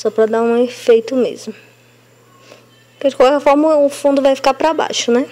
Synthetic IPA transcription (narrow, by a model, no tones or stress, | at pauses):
sɔpɾɐd̪aɾũefejt̪ʊmḛzmʊ | kɪd͡ʒɪkwawkɛɾfɔɾmɐʊfũnd̪ʊvajfi̥kapɾɐba̰jʃʊnɛ